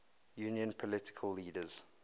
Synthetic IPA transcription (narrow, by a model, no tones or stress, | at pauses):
juniə̃npʰɔlɪtɪ̥kʰəlːiːdəz̥